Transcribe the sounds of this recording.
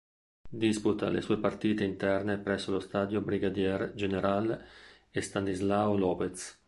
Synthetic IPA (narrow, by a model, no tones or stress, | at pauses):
d̪isput̪a̰lḛsuːepart̪iːt̪eint̪ɛrnepɾɛsːolost̪aːd̪jobɾiɡad̪jɛrd͡ʒeneɾal | est̪anizlaolɔːpet̪s